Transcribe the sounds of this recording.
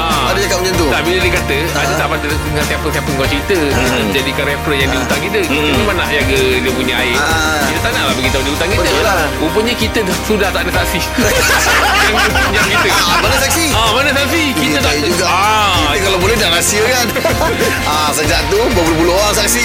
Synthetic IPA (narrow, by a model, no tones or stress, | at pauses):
aadəd͡ʒakatməɲənt̪ut̪abilədiəkat̪ə | adat̪aba | dəŋãnt̪ɛmpəlkɛmpəŋkwat͡ʃɾit̪əit̪əd͡ʒadikaɾɛpɾəjaŋdiəut̪aŋkit̪əiimanaʔjaŋɡədiəpuɲaaɪkit̪ət̪analahbəɡit̪adiut̪aŋkitbət̪əla | upəɲəkit̪ə | sudaht̪aʔnasaʔsi | jaaɲakiəmanəsaksiamanəsasi | kiət̪ad͡ʒuɡaakiəkalabolɛhdalasiəkan | a | səd͡ʒaʔt̪ubuəpulobulooaŋsaksi